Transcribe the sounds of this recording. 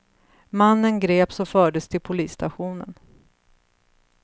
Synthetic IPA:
manːənɡɾeːpsɔfœːɖəst̪ʰɪlpʰʊliːsːt̪ʰaɧuːnə̰n

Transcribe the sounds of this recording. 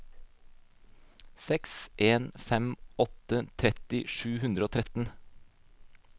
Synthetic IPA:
sɛksʔeːnfɛmɔt̪ət̪ʰɾɛt̪ɪʃʉːhʉnd̪ɾəoːt̪ʰɾɛt̪n̩

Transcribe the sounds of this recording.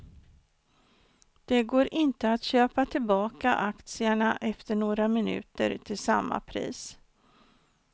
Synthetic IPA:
d̪̥ɛɡoːɾʔɪnt̪əat̪ɕøːpat̪ʰɪlbɑːkaʔakt̪sɪaɳaʔɛft̪əɳoːɾamɪnʉ̟̰ːt̪ə̰ɾt̪ʰɪlsa̰mːa̰pʰɾḭːs

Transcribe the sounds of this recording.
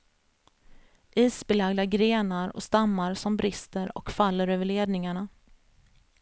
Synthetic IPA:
ʔiːsbɛlaɡd̪aɡɾeːnaɾɔ̰st̪amːaɾsɔmbɾɪst̪əɾɔ̰kfalːəɾøːvəɭeːd̪nɪŋaɳa

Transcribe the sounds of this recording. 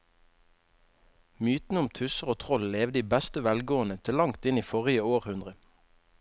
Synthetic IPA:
myːt̪n̩əʊmt̪ʰʉsəʁoːt̪ʰʁɔlleːʋd̪iːbæst̪əʋælɡoːənət̪ʰɪlɑŋt̪ɪniːfɔʁɪəoːʁhʉnd̪ʁə

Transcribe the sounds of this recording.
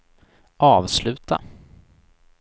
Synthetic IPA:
ʔɑːvslʉ̟ːt̪a̰

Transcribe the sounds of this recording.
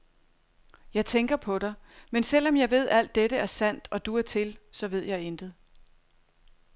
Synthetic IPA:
jɑ̈ɪt͡sʰeŋɡ̥ɐpʰɒ̽ɾ̥ɑ̈ɪmensel̰ɒ̽mjɑ̈ɪʋe̝ð̞̰ˠæl̰d̥ːeɾəæɐsæn̰d̥ɒ̽d̥uæɐt͡sʰe̝lsɒ̽ʋe̝ð̞̰ˠjɑ̈ɪend̥ð̩ˠ

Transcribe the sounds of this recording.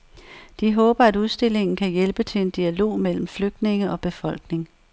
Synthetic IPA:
d̥iɦɔ̽ːb̥ɐæduð̞ˠsd̥e̝l̰e̝ŋn̩kʰæjelb̥ət͡sʰe̝le̝nd̥iælo̝̰ːmel̰m̩fløɡ̥̚d̥ne̝ŋəɒ̽b̥e̝fɒ̽l̰ɡ̥ne̝ŋ

